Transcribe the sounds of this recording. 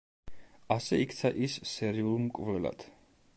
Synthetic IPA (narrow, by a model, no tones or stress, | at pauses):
asɛikʰt̪sʰaʔisːɛɾiulˠmkʼvlɛla̰d̪̥